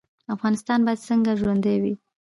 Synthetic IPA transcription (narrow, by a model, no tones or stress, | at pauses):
afɣɑnɪst̪ɑnbɑjad̪səŋɡaʒwand̪əjwi